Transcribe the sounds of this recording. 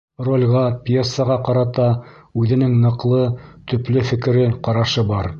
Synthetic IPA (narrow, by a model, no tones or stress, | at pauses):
rolʲʁɑpʲjesːəʁɑqɑɾɑt̪ɑʉðɘ̆nɘŋnɤ̆qlˠɤt̪ɵ̆plɘfɘ̆kɘ̆ɾɘqɑɾɑʃɤbɑɾ